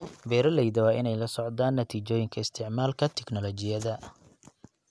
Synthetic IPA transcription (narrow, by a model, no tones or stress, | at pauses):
bɛːɾɐlɛjðɐwɑːʔɪnɛjlɐsɔʕd̪aːnːɐt̪ʰiːt͡ʃɔːjɪŋkʰɐɪst̪ʰɪʕmaːlkʰɐt̪ʰɛknɔlɔt͡ʃɪjɐðɐ